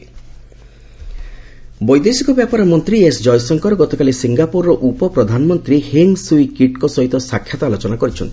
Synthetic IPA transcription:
bɔjd̪esikɔbjapaɾɔmɔnt̪ɾiesd͡ʒɔjsɔŋkɔɾɔɡɔt̪ɔkalisiŋɡapuɾːɔʔupɔpɾɔd̪ʱanɔmɔnt̪ɾiheŋsuikiʈkɔsɔɦit̪ɔsakʰːjat̪ɔalɔt͡ʃɔnakɔɾit͡ʃʰɔnt̪i̥

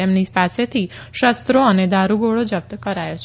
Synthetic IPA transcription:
emnid͡ʒpaset̪ʰiʃəst̪ɾoəned̪ʱaɾuɡoɭod͡ʒəp̚t̪əkəɾajot͡ʃʰ

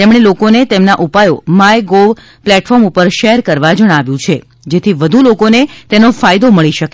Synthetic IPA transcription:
t̪emɽ̃elokonet̪emnaʔupajomajɡoʋ | plɛʈfɔɾmupəɾʃeɾkəɾʋad͡ʒəɽ̃aʋjũt͡ʃʰe | d͡ʒet̪ʰiʋəd̪ʱulokonet̪enofajd̪oməɭiʃəke

